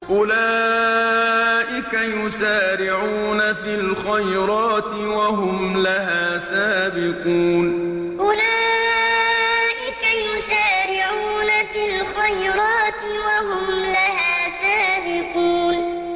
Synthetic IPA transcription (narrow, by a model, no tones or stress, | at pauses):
ʔʊlaː | ʔɪkajʊsaːɾɪʕuːnafilxajɾˤɑːt̪ɪwaɦʊmlaɦaːsaːbɪquːn | ʔʊlaː | ʔɪkajʊʃaːɾɪʕuːnafilxajɾɑːt̪ɪwaɦʊmlaɦaːsaːbɪquːn